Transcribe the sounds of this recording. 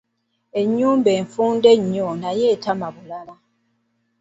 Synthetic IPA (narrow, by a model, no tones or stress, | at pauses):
e̞ɲːuːmbe̞ːɱfuːnde̞ɲːonajeːtamaβulala